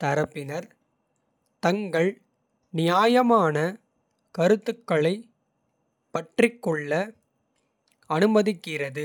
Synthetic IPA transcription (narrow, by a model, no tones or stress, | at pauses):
t̪ɐɾɐpːɪnɐɾ | t̪ɐŋɡɐɭ | nɪjaːjɐmaːnɐ | kɐɾɯt̪ːɯkːɐɭɐɪ | pɐʈrɪkːɔɭːɐ | ɐnɯmɐðɪkːɪrɐðɯ